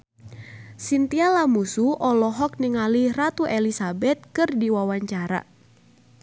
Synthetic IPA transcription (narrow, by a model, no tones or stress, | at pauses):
sint̪ialamusuʔɔlɔɦɔk̚niŋalirat̪uʔelisabɛt̪̚kɨrdiwawaɲt͡ʃaɾa̰